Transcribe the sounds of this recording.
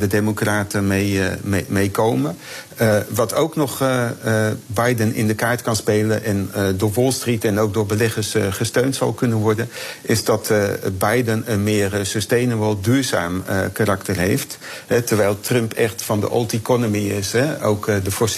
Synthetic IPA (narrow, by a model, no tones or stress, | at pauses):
dədemokraːtəmejmejkowmə | ʋɑtowknɔχ | bɑjdənɪ̰ndəkaːɹtkɑnspejlənʔɛndʊːɹʋɔlˠstritɛnowk̚dʊːɹbəlɛχəɹsχəstøɥntsɑ̰lˠkɵnənʋɔɹdənɪzdɑtbɑjdənənmɪːrəsɵstejnəʋɔlˠdyːɹza̰ːmə̰karɑktəɹɦejftɦɛtəɹʋɛjlˠtrœmpɛχtfɑndə̰ʔɔ̰lˠtikɔnomiɪsɛo̰wkdəfɔs